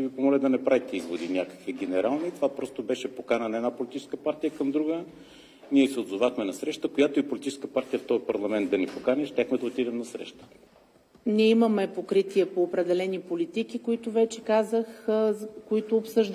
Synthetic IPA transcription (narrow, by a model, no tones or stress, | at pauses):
evipomolʲɛd̪ɐnɛpɾavit̪ɛizvod̪inʲjakə̥kviɡɛnɛɾalˠnit̪ovapɾɔst̪obɛʃɛpokanənɐɛd̪apolʲit̪it͡ʃɛskəpaɾt̪ijəkɐmd̪ɾuɡə | niɛsɛod̪zovaxmɛnɐsɾɛʃt̪əkojat̪oipolit̪it͡ʃɛ̥skəpaɾt̪ijəft̪ɔjpɐɾlˠɐmɛnt̪d̪ɐnɛpokanɛʃt̪ʲaxmɛd̪ɐot̪id̪ɛmnɐsɾɛ̰ʃt̪ə̥ | niɛimɐmɛpokɾit̪iɛpoːpɾɛd̪ɛlɛnipolit̪ikikoit̪ʊvɛt͡ʃɛkazəx | koit̪oːpsɤʒd̪